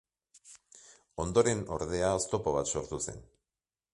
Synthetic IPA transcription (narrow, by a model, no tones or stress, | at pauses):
o̞nd̪o̞ɾe̞no̞̰ɾðe̞aːst̪o̞po̞β̞at̪so̞ɾt̪use̞̰n